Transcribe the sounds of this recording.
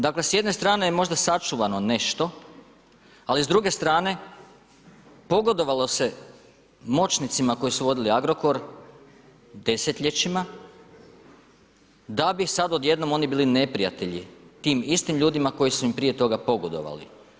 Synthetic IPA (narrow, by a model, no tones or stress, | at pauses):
d̪akle̞sje̞d̪ne̞st̪ɾaːnejemo̞ʒd̪asat͡ʃuʋano̞ne̞ʃt̪o̞ | alizd̪ɾuɡe̞st̪ɾaːne̞ | po̞ɡo̞d̪o̞ʋalˠo̞se̞ | mo̞t͡ʃnit̪simako̞jisuʋo̞d̪iliaɡɾo̞ko̞ɾ | d̪e̞se̞t̪ʎe̞t͡ʃima | d̪abisad̪o̞d̪je̞d̪no̞mo̞nibiːline̞pɾijat̪e̞ʎit̪iːmist̪imʎuːd̪imako̞jisuimpɾije̞t̪o̞ɡapo̞ɡo̞d̪o̞̰ʋa̰lḭ